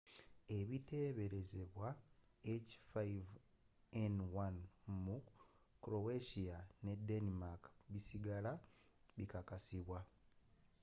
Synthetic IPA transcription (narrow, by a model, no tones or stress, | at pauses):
e̞βite̞ːβe̞ɾe̞ze̞βwaecfajv | enwanmu | kɾo̞weʃiane̞denimakβisiɡala | βikakasiβwa